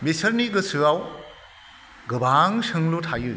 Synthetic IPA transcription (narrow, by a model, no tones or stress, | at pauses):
bisɐɾniɡɯsɯaw | ɡɯbaŋsɯŋlutʰajɯ